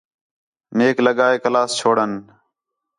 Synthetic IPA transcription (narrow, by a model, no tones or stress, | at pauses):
meːkləɠaːeːkəlaːst͡ʃʰoːɽən